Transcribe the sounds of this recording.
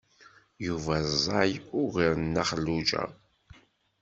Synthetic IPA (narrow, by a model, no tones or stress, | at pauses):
juvæzˤːɑjʊʁiɾənːaχəlːud͡ʒæ̰